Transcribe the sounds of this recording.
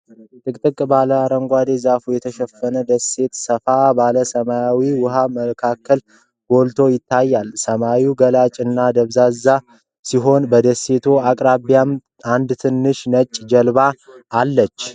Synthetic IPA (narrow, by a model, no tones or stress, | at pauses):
t̪ʼɨkʼt̪ʼɨkʼbaləaɾəŋɡʷad̪e̞zafujɛt̪ʰəʃɛfːənəd̪əsːe̞t̪səfabaləsəmajawiwʊɦaməkʰakʰːəl | ɡ̥o̞lt̪ʰo̞jɪt̪ʰːajːalsəmawiɡəlat͡ʃʼɨnːad̪əβzazːa | siɦo̞nbəd̪əsːe̞t̪ʰoakʼɾaβijam | and̪t̪ʰɨnːɨʃnət͡ʃʼːd͡ʒəlβaːlːət͡ʃː